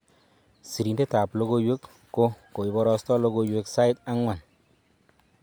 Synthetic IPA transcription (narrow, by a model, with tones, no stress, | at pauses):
si˨ɾi˨nde˦ta˨plo˦ko˦jwe˦kː | o˦ko˨i˨bɔ˦ɾɔ˧stɔ˦lo˧˦ɡo˦jwe˦ksa˦ɪ˦ta˦ŋwa˨n